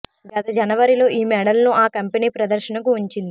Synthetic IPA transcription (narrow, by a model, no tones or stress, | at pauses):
ɡɐt̪ɐd͡ʒɐnɐʋɐɾilo̞ːʔiːmɛːɽɐlnoːʔaːkɐmpeniːpɾɐd̪ɐɾʃɐnɐkuuɲt͡ʃind̪i